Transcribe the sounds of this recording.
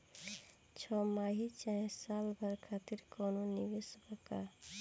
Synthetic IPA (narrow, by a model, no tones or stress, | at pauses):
t͡ʃʰɔmaɦit͡ʃãsalbʱəɾkʰat̪iɾkononiʋesbaka̰